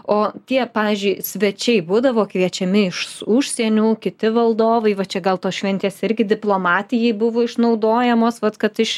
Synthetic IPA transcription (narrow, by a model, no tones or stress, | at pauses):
oːt̪ʲiɛpɑːʋʲiːzʲd͡ʒʲʊɪsʲʋʲɛt͡ʃʲɛɪbuːd̪ɐʋoːkʋʲiɛt͡ʃʲɛmʲɪɪʃsʊʃʲsʲiɛnʲuːkʲɪt̪ʲɪʋɐlˠd̪oːʋɐɪʋɐt͡ʃʲɛɡɐlˠt̪oːsʃʲʋʲɛnʲt̪ʲeːsɪɾʲɡʲɪd̪ʲɪplˠoːmɑːt̪ʲɪjɛɪbʊʋoːɪʃnɐʊd̪oːjɛmoːsʋɐt̪kɐt̪ɪʃ